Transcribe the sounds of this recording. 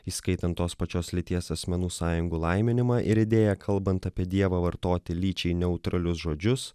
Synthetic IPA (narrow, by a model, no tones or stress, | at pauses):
iːskɐɪt̪ɐnt̪ːoːspɐt͡ʃʲoːslʲɪt̪ʲiɛsɐsʲmʲɛnuːsɑːjʊŋɡuːlˠɐɪmʲɪnʲɪmɑːʔɪɾɪd̪ʲeːjɛkʰɐlˠbɐnt̪ɐpʲiɛd̪ʲiɛʋɐʋɐɾt̪oːt̪ʲɪlʲiːt͡ʃʲɛɪnʲɛʊt̪ɾɐlʲʊsʒoːd͡ʒʲʊs